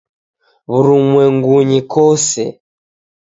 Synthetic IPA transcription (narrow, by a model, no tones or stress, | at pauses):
βuɾumwɛŋɡuɲikɔsɛ̰